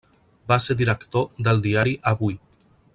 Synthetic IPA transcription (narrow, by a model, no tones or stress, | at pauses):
baseɾðiɾəkt̪od̪əlˠd̪iaɾiʔaβuj